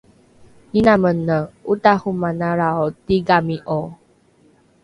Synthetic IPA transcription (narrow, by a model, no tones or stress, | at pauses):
ninamənːəutahumanaɾaotiɡamiʔo